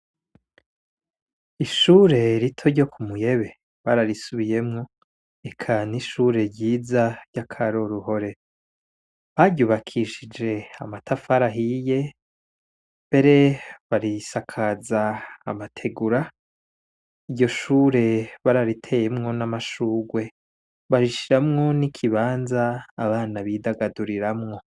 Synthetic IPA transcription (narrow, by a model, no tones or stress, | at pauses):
iʃuːɾe̞ɾitʰo̞ɾɟo̞kʰumuje̞βe̞ | βaɾaɾisuβije̞mŋo̞ | e̞kʰaniʃuːɾe̞ɾɟiːzaɾɟakʰaɾoɾuho̞ɾe | βaɟɟuːβakʰiʃid͡ʒe̞amatʰafaɾaɦije̞ | mbe̞ɾe̞βaɾisakʰaza̰ːmatʰe̞ɡuɾa | iɟo̞ʃuːɾe̞βaɾaɾitʰe̞jemŋo̞namaʃuːɡwe̞ | βaɾiʃiɾamŋo̞nikʰiβaːnzaːβaːnaβidaɡaduɾiɾamŋo̞